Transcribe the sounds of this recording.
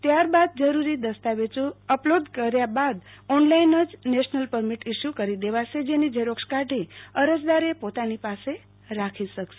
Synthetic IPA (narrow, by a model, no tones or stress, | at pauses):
t̪jaɾbad̪̚d͡ʒəɾuɾid̪əst̪aʋet͡ʃuəplod̪ʱkəɾjabad̪ɔnlainəd͡ʒneʃnəlpəɾmiʈiʃjukəɾid̪eʋat͡ʃʰed͡ʒenid͡ʒeɾokʃkaʈeəɾəd͡ʒd̪aɾepot̪anipase | ɾakʰiʃəkʃe